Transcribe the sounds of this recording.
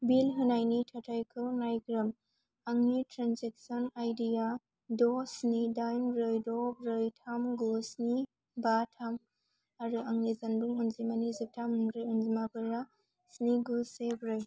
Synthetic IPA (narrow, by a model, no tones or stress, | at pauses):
bilɦɯnajnitʰatʰajkʰɯnajɡɾɯm | aŋnitɾanzek̚sɔnajdija | dɔsnidajnbɾɯjdɔbɾɯjtʰamɡusni | batʰam | aɾuʔɐŋnizɐnbuŋunzimanizik̚tʰamuŋɾɯjunzimabɯɾa | sniɡusebɾɯj